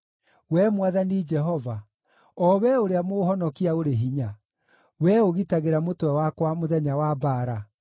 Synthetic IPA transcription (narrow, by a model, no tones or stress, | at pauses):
wɛmwaðanid͡ʒɛɦɔva | ɔwɛoɾeamohɔnɔkiaoɾeɦiɲa | wɛoɣitaɣeɾamotwɛwakwamoðɛɲawabaːɾa